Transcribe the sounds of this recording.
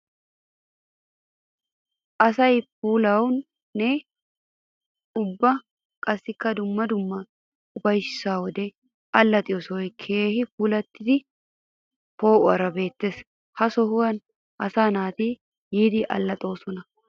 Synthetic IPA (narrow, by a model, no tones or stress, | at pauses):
ʔɐsɐjp̚uːlɐwnː | ɛ | ʊbːɐ | kʼɐsːɪkːɐd̪ʊmːɐd̪ʊmːɐ | ʊfɐjsɪ̥saːwɔd̪ɛ | ɐlːɐt̪ʼɪɔsɔjkʰeːhɪpuːlɐt̪ːɪd̪ɪ | po̞ːʔʊɐɾɐbe̞ːt̪ːeːs | hɐsɔhʊwɐn | ʔɐsaːnaːt̪iː | jiːd̪ɪʔɐ̰lːɐt̪ʼo̞ːsɔnɐ